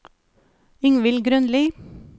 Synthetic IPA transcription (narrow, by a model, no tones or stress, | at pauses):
ɪŋʋɪlɡɾʉnliː